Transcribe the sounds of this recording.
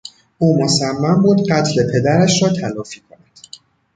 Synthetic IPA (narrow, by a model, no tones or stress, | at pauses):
ʔuːmosæmːæmbuːd̪ɢæt̪ʰle̞pʰe̞d̪æɾæʃrɒːt̪ʰælɒːfiːkʰonæd̪̥